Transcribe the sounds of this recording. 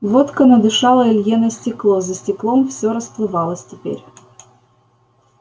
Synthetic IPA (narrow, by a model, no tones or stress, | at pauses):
vot̪kənɐd̪ɨʂɑlˠəɪlʲjɛnəəsʲtʲɪklˠozəsʲtʲɪklˠomfsʲoɾəsplˠɨvɑlˠəsʲtʲɪpʲḛɾʲ